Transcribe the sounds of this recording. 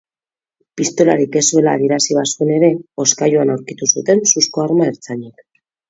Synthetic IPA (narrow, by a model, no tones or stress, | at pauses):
pist̪o̞laɾike̞sue̞laːðjeɾasiβ̞asue̞ne̞ɾe̞o̞skajoanawɾkit̪usut̪e̞nsusko̞aɾmaeɾt͡saɲik